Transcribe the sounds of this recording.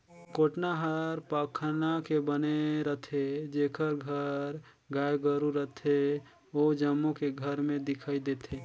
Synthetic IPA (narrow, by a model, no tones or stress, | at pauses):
koːʈnaɦəɾpaːkʰnakebəneɾət̪ʰed͡ʒeːkʰəɾɡʱəɾ | ɡaːjɡəɾuɾət̪ʰe | oːd͡ʒəmːokeɡʱəɾmẽd̪ɪkʰaːid̪eːt̪ʰeː